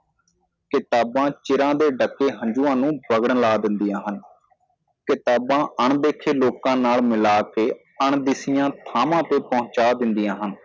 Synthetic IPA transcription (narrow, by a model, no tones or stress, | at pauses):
kɪt̪aːbãːt͡ʃɪɾãːd̪eːɖəkːeːɦəɲd͡ʒuːãːnũːbəɡəɽlaːd̪ɪnd̪ijãːɦən | kɪt̪aːbãːʔəɳd̪eːkʰeːloːkãːnaːlmɪlaːkeː | əɳd̪ɪsɪjãːt̪ʰaːmãːt̪eːpəʊ̃t͡ʃaːd̪ɪnd̪ijãːɦən